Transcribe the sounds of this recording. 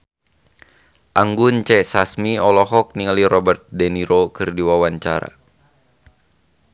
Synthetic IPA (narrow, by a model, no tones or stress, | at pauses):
ʔaŋɡunt͡ʃɛsasmiɔlɔɦɔk̚niŋaliɾɔbɛrt̪̚dɛniɾokɨrdiwawaɲt͡ʃa̰ɾa̰